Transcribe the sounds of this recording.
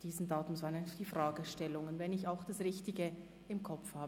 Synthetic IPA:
d̥iːzn̩daːtʊmsvaːnɛnd̥iːfʁaːɡəʃtɛlʊŋənvɛnɪçaʊxd̥asʁɪçtɪɡə | ɪmkʰɔfhaːbə

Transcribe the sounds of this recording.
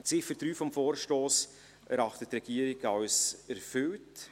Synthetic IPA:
t͡sɪfəd̥ɾyːfɔmfoːɾʃtoːs | ʔæɾɑχtətːrɛɡ̥iəɾɪɡɑwsæɾfʏlt

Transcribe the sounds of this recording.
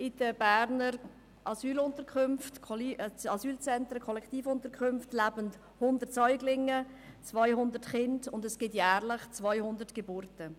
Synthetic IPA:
ɪd̥əbæːɾnəɾ | ʔɑsyːlʊntəɾkʰʏmftkʰɑsyːlt͡sɛntɾəkʰɔlɛkʰχtiːfʊntəɾkʰʏmftlæbənt | hʊndətsœʏɡlɪŋət͡svaɪhʊndətχɪndʊndɛsɡ̥ɪtjæːʁlɪχt͡svaɪhʊndətɡ̥ebʊːɾtə

